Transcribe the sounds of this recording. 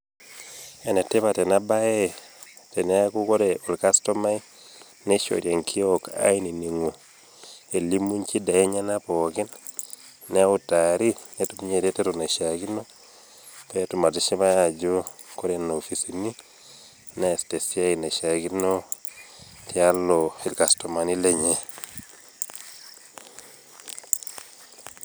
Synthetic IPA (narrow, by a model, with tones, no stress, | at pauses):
e˨ne˨te˦βa˨te˨na˦ba˦e˦te˨n˦a˦ku˦ko˦ɾeo˨lka˦sto˦ma˦i | neʃo̰˨ɾja˨ŋkʰi˦oka̰˦i˦ni˨ni˨ŋo˨ | e˨li˦mu˦ɲt͡ʃi˦da˨e˦ɲa˦na˦po˨kɪ˦n | ne˦u˦taɾi˦netumu˦ɲe˨ɾe˦te˦tona˨ʃa˨ki˦no˦ | petu˨ma˨ti˦ʃi˦ma˦a˨d͡ʒo˦ | ko˦ɾe˦nofi˨sini˦ | nɛ˦˨ste˨sja˦i˨na˨ʃa˨ɡi˦no˦ | tja˦lo˨e˨lka˨sto˨ma˨ni˦le˦˨ɲe˨